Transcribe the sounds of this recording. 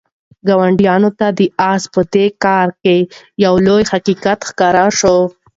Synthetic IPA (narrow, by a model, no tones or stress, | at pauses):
ɡɑwaɳɖjɑnot̪ad̪əɑspəd̪ekɑɾkejawlojhaqiqat̪xkɑɾaʃo